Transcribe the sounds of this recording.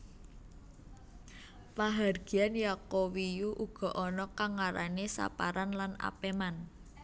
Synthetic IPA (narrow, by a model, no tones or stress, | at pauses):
paɦarɡ̥i̤anjakowijuʔuɡ̥ɔ̤ʔɔnɔkaŋaɾanesa̰paɾanlana̰peman